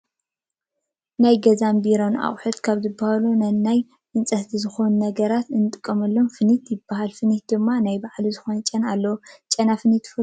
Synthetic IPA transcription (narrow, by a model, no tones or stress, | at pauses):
najɡɐzambiɾo̞na̰χʼħut̪kʰaβzɨbːahalunɐnːaj | ʔɨnsʼɐht̪ʰizɨxo̞nnɐɡɐɾat̪ɨnɨt̪ʼɨkʼːɐmɐlːomfɨnit̪jɪbːaɦalfɨnit̪̚d̪ɨmːanajbaʕlizɨxo̞nɐt͡ʃʼːɐnalːɐwt͡ʃʼɐnafɨnit̪ʰfɨ